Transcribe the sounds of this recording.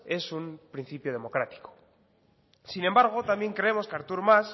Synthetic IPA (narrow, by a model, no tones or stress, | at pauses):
e̞sumpɾin̟θipjoð̞e̞mo̞kɾat̪i̥ko̥ | sinembaɾɣ̞ot̪ambje̞ŋkɾe̞emo̞skaɾt̪uɾmas